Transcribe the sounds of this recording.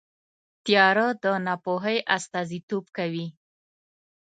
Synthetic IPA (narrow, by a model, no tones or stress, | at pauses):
t̪jɑɾəd̪ənɑpoɦəjʔast̪ɑzit̪obkawi